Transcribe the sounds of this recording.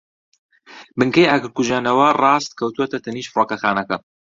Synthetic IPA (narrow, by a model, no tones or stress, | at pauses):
bɨŋkɐjaːɡɨɾkuʒaːnɐwɐrˤɑːst̪̚kʰɐwt̪uwɐt̪ɐt̪ʰɐniːʃfroːkɐxaːnɐkɐ